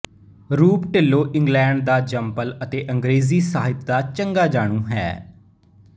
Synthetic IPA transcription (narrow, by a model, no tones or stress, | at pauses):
ɾuːpʈɪlːoːʔɪ̃ŋɡlɛ̃ːɳɖ̚d̪aːd͡ʒəmpələt̪eːʔəŋɡɾeːziːsaːɦɪt̪d̪aːt͡ʃəŋɡaːd͡ʒaːɽ̃ũːɦɛ̰ː